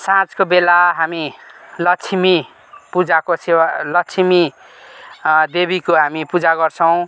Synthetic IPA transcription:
sãt͡skobelaɦamilʌkt͡sʰimi | pud͡zakosewalʌkt͡sʰimi | d̪ebikoɦamipud͡zaɡʌrt͡sʰʌw̃

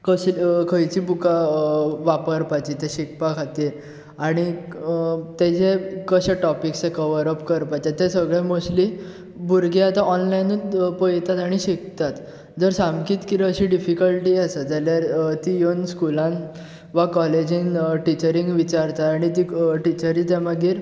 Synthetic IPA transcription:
kəɕkʰəjt͡ɕiːbukaʋapəɾpat͡ɕit̪eɕik̚pakʰat̪iːɾ | aɽ̃i | t̪ed͡ʑekəɕeʈɔpiksekəʋəɾəpkəɾpat͡ɕet̪esəɡɭẽmosli | buɾɡeat̪ãɔnlajnpəjt̪at̪aɽ̃iɕikt̪at̪ | d͡zəɾsamkiːt̪kiɾəɕiɖifikəlʈiːased͡zaljaɾt̪iːjonskulãn | ʋakɔled͡ʑinʈit͡ɕəɾiŋɡʋit͡ɕaɾt̪at̪aɽ̃it̪iːʈit͡ɕəɾiːt̪emaɡiːɾ

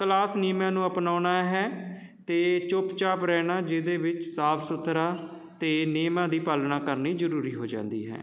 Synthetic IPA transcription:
klaːsniːmãːnũːəpnaːnaːɦɛː | t̪eːt͡ʃʊpt͡ʃaːpɾɛːnaːd͡ʒɪd̪eːʋɪt͡ʃsaːpʰsʊt̪ʰːɾaː | t̪eːneːmãːd̪iːpaːlnaːkəɾniːd͡ʒəɾuːɾiːɦoːd͡ʒã̰ːnd̪ḭːɦɛ̰ː

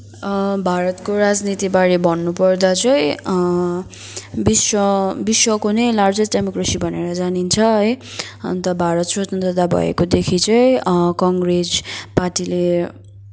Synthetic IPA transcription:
bʱaɾʌt̪koɾad͡znit̪ibaɾibʱʌnːupʌrd̪at͡sʌĩ | biswʌbiswʌkonʌjlard͡zʌsɖemokresibʱʌneɾʌd͡zanint͡sʰʌʌjʌ̰nt̪ʌbʱaɾʌt̪sotnt̪ʌd̪abʱʌ̰ḛkod̪ekʰit͡sʌĩkʌŋɡrespaʈile

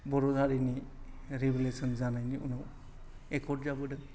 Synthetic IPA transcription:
bɔɾuɡaɾini | ɾebilesɔnzanajniunɔ | ekʰɔdzabɯdɯ

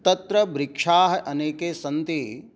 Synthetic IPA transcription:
t̪ɐt̪ɾɐbɾikʂaːɦɐʔɐneːkeːsɐnt̪i

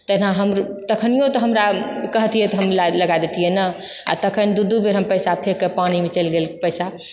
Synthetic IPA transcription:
t̪ənãɦəmɾt̪əkʰənijõt̪ɔɦəmɾakəɦt̪ijɛt̪ɔɦəmlaləɡad̪et̪ijɛnə | a̰t̪əkʰənd̪ud̪ubeɾɦəmpəjsapʰekːəpanimet͡ʃəlɡelpəjsa

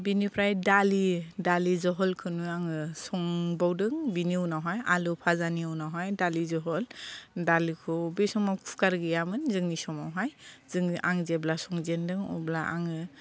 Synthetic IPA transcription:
binipʰɾajdalidalizɔɦɔlkʰɯnujaŋɯsɔŋbawdɯŋbiniuwnawɦajalupʰazaniwnawɦajdalizɔɦɔldalikʰɔbesɔmawkʰkaɾɡɯjamɯnzɯŋisɔmawɦajz̥ɯŋʔaŋzeblasɔŋzendɯŋɔ̰blaʔa̰ŋɯ

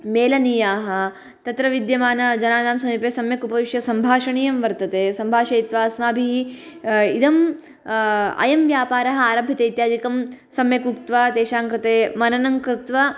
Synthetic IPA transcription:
meːlɐniːjaːɦɐ̆ | t̪ɐt̪ɾɐʋid̪jɐmaːnɐd͡ʒɐnaːnaːmsɐmiːpeːsɐmjɐkupɐʋiʃjɐsɐmbʱaːʃɐɳiːjɐmʋɐɾt̪ɐt̪eːsɐmbʱaːʃɐjit̪ʋaːsmaːbʱiɦi | id̪ɐm | ɐ̰jɐmʋjaːpaːɾɐɦɐ̆aːɾɐbʱit̪eit̪jaːd̪ikɐmsɐmjɐkukt̪ʋɐt̪eːʃaːŋkɾɪt̪eːmɐnɐnɐŋkɾɪt̪ʋɐ

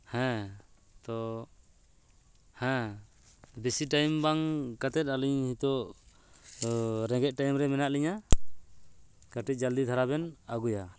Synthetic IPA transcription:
hɛ̃ | t̪ɔ | hɛ̃ | besiʈajmbaŋkat̪ɛt̪̚aliɲhit̪ɔ | ɾɛɡɛt̪̚ˀʈajmɾɛmɛnaʔliɲa | kaʈiˀd͡ʒald̪it̪ʰaɾaβɛnaɡuja

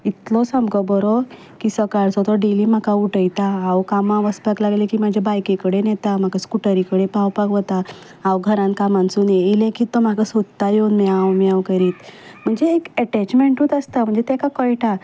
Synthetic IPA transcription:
it̪lɔsəmkɔbɔɾɔ | kisəkaɭsɔt̪ɔɖeliːm̤akauʈəjt̪aawkamãʋəspaklaɡlekiːmad͡ʑʱjabajkekəɽenɛt̪am̤akaskuʈəɾikəɽepawpaɡʋət̪a | awɡʱəɾãnkamãnt͡suːneilẽkiːt̪ɔm̤akasod̪t̪ajonmɛawmjawkəɾiːt̪m̤əɳd͡zeːkɛʈɛt͡ɕmeɳʈuːt̪əst̪am̤əɳd͡zet̪ɛkakəjʈʰa

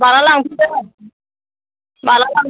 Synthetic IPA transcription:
balalaŋtut̪e | balalaŋ

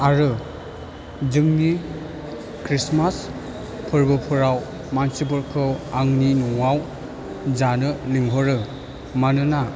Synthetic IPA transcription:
aɾɯ | d͡ʒɯŋmi | kɾismas | pʰɯɾbɯpʰɯɾaw | mansibɯɾkʰɯwaŋninɔŋaw | zanɯliŋɦɔɾɯ | manɯna

